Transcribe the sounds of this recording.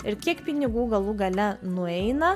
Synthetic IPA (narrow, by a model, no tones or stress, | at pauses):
ɪɾkʲiɛkpʲɪnʲɪɡuːɡɐlˠuːɡɐlʲɛnʊɛɪnɐ